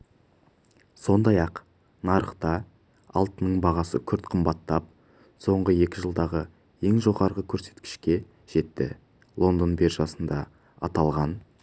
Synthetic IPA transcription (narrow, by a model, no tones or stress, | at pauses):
so̞nd̪ɑjɑq | nɑɾəqt̪ɑ | ɑlˠt̪ənəɴbɑʁɑsə̰kʲʰʏɾt̪qʰəmbɑt̪ːɑp̚ | so̞ɴʁəje̞kʲɪʒəlˠd̪ɑʁə | e̞ŋʒo̞ʁɑɾʁəkʲʰɵɾse̞̥t̪kʲɪ̥ʃkʲe̞ | ʒ̥e̞t̪ːɪ̰ | lˠo̞nd̪onbe̞ɾʒɑsənd̪ɑ | ɑt̪ɑlˠʁɑn